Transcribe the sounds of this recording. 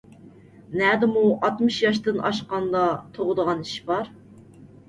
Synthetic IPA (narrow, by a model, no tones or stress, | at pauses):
nɛd̪ɪmuʔɑt̪mɨʃjɑʃt̪ɨnɑ̰ʃqɑnd̪ɑt̪ʰoʁʊd̪əʁɑni̥ʃbɑɾ